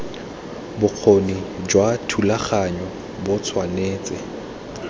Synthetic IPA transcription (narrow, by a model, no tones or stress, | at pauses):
bʊq͡χʰonid͡ʒwatʰulaχaɲɔ | bʊt͡sʰwaneːt͡sʼɪ